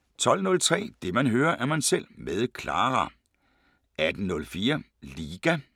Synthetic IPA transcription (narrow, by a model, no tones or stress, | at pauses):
t͡sʰɒ̽l̰nɔ̽lt͡sʰʁɛ̰ːd̥e̝mænɦøːɐʔæɐmænsel̰meðˠkʰlɑ̰̈ːʁɑ | æd̥n̩nɔ̽lfiːɐ | liːɡ̥æ